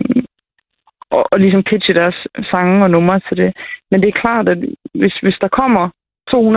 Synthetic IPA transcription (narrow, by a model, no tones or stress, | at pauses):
ʔɒʔɒ̽lis̬ɒ̽mpʰid̥ɕəd̥æɐsːɑ̈ŋəɒ̽nɔ̽mɐt͡sʰe̝d̥e̝mend̥e̝æɐkʰlɑ̰̈ːd̥æd̥ʋe̝sʋe̝sd̥ɑ̈kʰɒ̽m̰ɐ | t͡sʰo̝̰ːhun